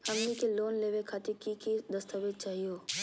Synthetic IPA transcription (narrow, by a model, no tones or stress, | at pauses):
hɐmnikeloːnleːʋekʰaːt̪ɪkikid̪əst̪əbɪd̪̚t͡ʃaːɦioː